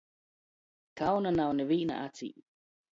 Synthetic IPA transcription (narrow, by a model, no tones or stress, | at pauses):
kawnanawneβiʔna̰ʔat͡sḭʔ